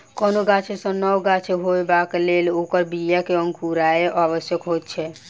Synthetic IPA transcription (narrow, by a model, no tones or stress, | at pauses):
konoɡat͡ʃʰesə̃nəwɡat͡ʃʰeɦoebaklelokəɾbijakeə̃ŋɡkuɾaeʔaβəsjəkɦot̪̚t͡ʃʰɛ